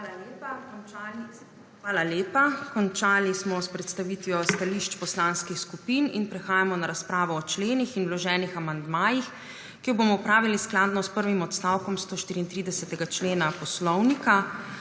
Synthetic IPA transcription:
alaleːpakɔnal | xʋaːlaljeːpakɔnt͡ʃaːlismɔspɾɛt̪st̪aʋiːt̪ʋijɔst̪aliʃt͡ʃpɔslaːnskixskupininpɾɛxaːjamɔnaɾaspɾaːʋɔːt͡ʃleːnixinwlɔʒɛːnixamand̪maːjix | kijɔboːmɔupɾaːʋilisklaːd̪nɔspəɾʋimɔt̪st̪awkɔmst̪oːʃt̪iːɾiːnt̪ɾid̪ɛsɛt̪ɛɡat͡ʃleːnapɔslɔwnika

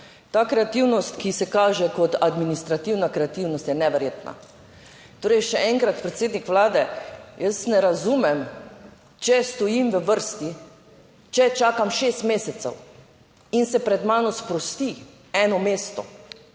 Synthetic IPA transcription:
t̪aːkɾɛat̪iwnɔst̪kisɛkaːʒɛkɔt̪ad̪minist̪ɾat̪iwnakɾɛat̪iwnɔst̪jɛnɛʋɛɾjeːt̪na̰ | t̪oːɾɛjʃɛʔɛŋkɾat̪pɾɛt̪seːd̪nikʋlaːd̪ɛjəsnɛɾazuːmɛm | t͡ʃɛst̪ɔjimʋəʋəɾst̪i | t͡ʃɛt͡ʃaːkamʃeːst̪meːsɛt̪sɛ̰w | insɛpɾɛd̪maːnɔspɾɔst̪i | ɛːnɔmeːst̪ɔ̰

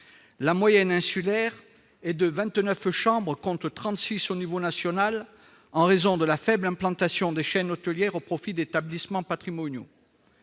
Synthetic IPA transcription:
lamwajɛnɛ̃sylɛʁ | ɛd̪əvɛ̃t̪nœfʃɑ̃bʁəkɔ̃t̪t̪χɑ̃t̪sisonivonasjɔnal | ɑ̃ʁezɔ̃d̪əlafɛblɛ̃plɑ̃t̪asjɔ̃d̪eʃɛnot̪əljɛʁopχɔfid̪et̪ablismɑ̃pat̪χimɔnjo̰

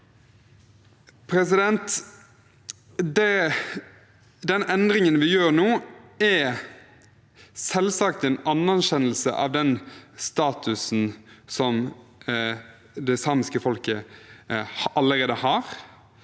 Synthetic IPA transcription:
pʰɾɛs̬ɪd̪ɛnt̪ | d̪ɛ | d̪ɛnɛnd̪ʁɪŋənʋɪjøːʁnoːɛ | sɛlsɑk̚t̪ɛːnɑnːæɕɛnəlsə̰ʔɑ̰ʋd̪ɛnst̪ɑːt̪ʉsn̩sɔm | d̪ɛɪsɑːmɪskəfɔlkə | hɑləʁeːd̪əhɑːʁ

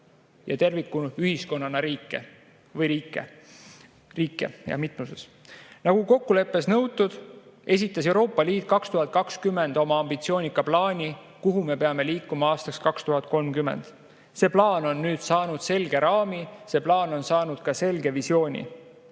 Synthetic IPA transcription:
jɑ̰t̪e̞rvikːunyɦhisko̞nːɑnɑɾiːkːˑḛ | vɤjɾiːkːe | riːkːˑe̞̰jɑ̰mit̪musḛs | nɑɡ̥uko̞kːule̞pːˑe̞snɤwt̪ːˑud̪̥e̞s̬ʲit̪ˑːɑs̬e̞wɾo̞ːpːˑɑliːt̪̚ˑkɑkst̪uɦɑt̪̚ˑkɑkskymːe̞nd̪o̞mɑɑmb̥it̪sio̞ːnʲikːˑɑplɑːnʲi | kuɦume̞pe̞ɑme̞liːkːˑumɑɑːst̪ɑkskɑkst̪uɦɑt̪̚ˑko̞lmkyme̞̰nd̪̥ | se̞ːplɑːno̞nːyːd̪̥sɑːnud̪̥se̞lɡ̥e̞ɾɑːmise̞ːplɑːno̞nsɑːnud̪̥kɑse̞lɡe̞visio̞ːnʲḭ

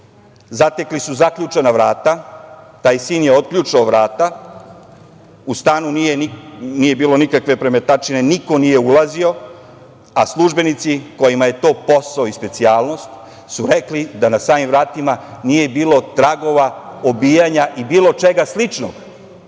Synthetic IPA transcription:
zat̪e̞klisuzakʎut͡ʃenaʋɾaːt̪at̪aːjsiːnje̞o̞t̪̚kʎut͡ʃaoʋɾaːt̪a | ust̪aːnunijeniniːje̞biːlo̞nikakʋe̞pɾe̞me̞t̪at͡ʃine̞niko̞nije̞ulˠazio̞ | aslˠuʒbe̞nit̪siko̞jimaje̞t̪o̞ːpo̞saoispe̞t̪siaːlno̞st̪ | suɾe̞klid̪anasaːmimʋɾaːt̪imanije̞biːlo̞t̪ɾaɡo̞ʋaobiːjaɲaʔibiːlo̞t͡ʃe̞ɡaslit͡ʃno̰ɡ

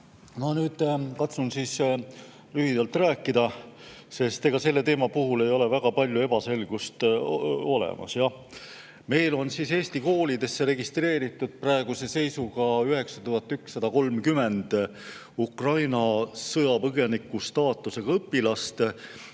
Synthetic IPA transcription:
mɑnyːd̪̥kɑt̪sunsiːs | lyɦid̪̥ɑlt̪ræːkːˑid̪̥ɑ | se̞st̪e̞ɡ̥ɑse̞lːe̞t̪e̞ːmɑpuɦule̞jo̞le̞væɡ̥ɑpɑlʲjue̞b̥ɑse̞lɡ̥ust̪o̞lḛmʔɑ̰sjɑ | me̞jlo̞nsise̞ːst̪iko̞ːlid̪e̞sːe̞ɾe̞ɡist̪re̞ːɾit̪ːˑud̪̥̚prɑeɡ̥use̞se̞jsuɡɑyɦe̞ksɑt̪uɦɑt̪ːˑyksːɑd̪̥ɑko̞lmkyme̞nd̪̥ | ukrɑjnɑsɤjɑpɤɡe̞nikːˑust̪ɑːt̪ːˑuse̞ɡ̥ɑɤpːilɑst̪

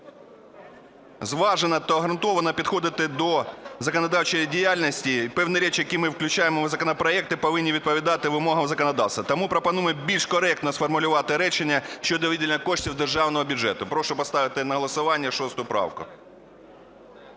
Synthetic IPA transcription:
zʋɑʒenɐt̪ɔɐɦɾɐnt̪ɔʋɐnɐpʲid̪xɔd̪ɪt̪ɪd̪ɔzɐkɔnɐd̪ɑwt͡ʃejdʲijalʲnɐsʲtʲipɛwnɛɾʲɛt͡ʃjɐkʲimɪwklʲʉt͡ʃajɪmɔʋzɐkɔnɐpɾɐɛk̚t̪ɪpɐʋɪnʲːiʋʲid̪̚pɔʋʲid̪ɑt̪ɪʋɪmɔɦɐmzɐkɔnɐd̪ɑwst̪ʋɐt̪ɐmupɾɔpɐnujɛbʲilʲʃkɔɾɛk̚t̪nɔsfɔrmʊlʲʊʋɑt̪ɪɾɛt͡ʃenʲːɐʃt͡ʃːɔd̪ɔʋʲitʲɪlʲnʲɐkɔʃtʲiwd̪erʒɑwnɔɦɔbʲʊʐɛt̪ʊpɾɔʃʊpɐst̪ɑʋɪt̪ɪnɐɦɔlˠɐsʊʋɑnʲːɐʂɔst̪ʊjʊpɾɑ̰wkʊ̰

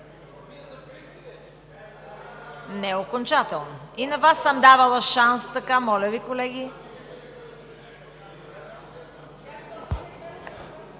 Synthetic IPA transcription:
nɛokont͡ʃat̪ɛlˠnoinɐvasːəmd̪avɐlˠɐʃanst̪ɐkamɔlʲəvikolɛɡʲi

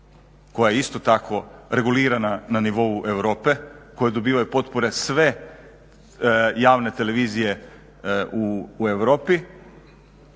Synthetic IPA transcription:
ko̞jajeist̪o̞t̪akʰo̞ɾe̞ɡuliːɾanananiʋo̞uʔe̞ʋɾo̞ːpe̞ko̞jed̪o̞biːʋajupo̞t̪poɾe̞sʋe̞ | jaːʋne̞t̪e̞le̞ʋiːzije̞ | uːe̞ʋɾo̞ːpi

